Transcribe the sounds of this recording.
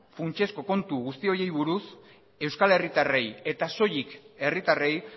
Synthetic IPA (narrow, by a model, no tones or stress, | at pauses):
funt͡ʃe̞sko̞ko̞nt̪uɣust̪io̞je̞jβuɾus | e̞wskale̞rit̪are̞je̞t̪aso̞jike̞rit̪are̞j